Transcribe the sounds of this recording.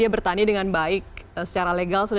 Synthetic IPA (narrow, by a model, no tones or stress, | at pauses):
iabərt̪anidəŋanbaɪk̚əsə̥t͡ʃaɾaleɡalsuda